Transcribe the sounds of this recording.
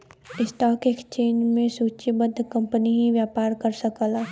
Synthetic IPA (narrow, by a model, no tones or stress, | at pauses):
ɪsʈaːkeːkt͡ʃeːɲd͡ʒmẽsuːt͡ʃebəd̪ʱːkɐ̃mpəniɦiʋjaːpaːɾkəɾsɐkəlaː